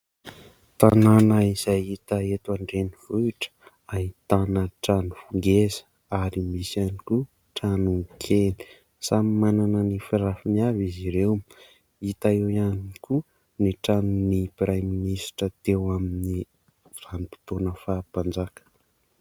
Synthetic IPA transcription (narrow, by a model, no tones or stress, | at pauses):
t̪ananəizajit̪aet̪waɳɖ͡ʐeniv̥uiʈ͡ʂə̥ | aɦit̪anəʈ͡ʂanufuŋɡezə̥ | aɾimisjaniku | ʈ͡ʂanukʰeli̥ | samimananənifiɾafiniaviziɾew | it̪aewianiku | niʈ͡ʂanunipɾajminisi̥ʈ͡ʂət̪ewamini | r̥anipi̥t̪onəfaːb̥and͡zakə̥